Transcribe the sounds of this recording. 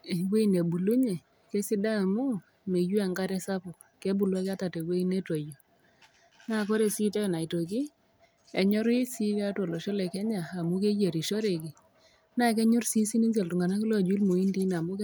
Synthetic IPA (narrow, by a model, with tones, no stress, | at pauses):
we˦i˨ne˨bu˨lu˦ɲe˨ | kɛ˦si˦daː˦˨mʊ˦ | me˨ju˦a˨ŋɡa˦ɾɛ˦sa˦pʊ˨ | kɛ˦bu˨lwa˦ka˦ta˨tɛ˨we˦i˦ne˦to˨jo˨ | na˦˨kɔ˦ɾe˨si˦tɔ˦˨na˨i˨to˨k̬i˦ | ɛ˨ɲɔ˦ɾi˦si˦a˦tɔ˨lɔ˨ʃɔ˦lɛ˨kɛ˦ɲa˨a˨mu˦ke˦d͡ʒe˨ɾi˨ʃɔ˦ɾe˨ki˨ | na˦˨kɛ˦ɲʊ˦rsi˦si˦ni˦nsɛ˨ltu˨ŋɡa˨na˦ki˦lɔ˦˨d͡ʒwi˦lmo˨i˦ndi˦na˨mʊ˦k